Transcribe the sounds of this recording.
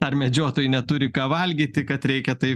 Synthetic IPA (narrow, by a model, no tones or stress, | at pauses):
ɐrmʲɛd͡ʒʲoːt̪oːjʊnʲɛt̪ʊɾʲɪkɑːʋɐlʲɡʲiːt̪ʲɪkɐt̪ɾʲɛɪkʲɛt̪ɐɪ